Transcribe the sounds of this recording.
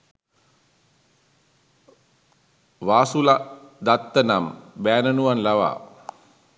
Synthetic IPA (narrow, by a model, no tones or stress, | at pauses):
ʋaːsulad̪at̪ːənambæːnənuʋanlaʋa̰ː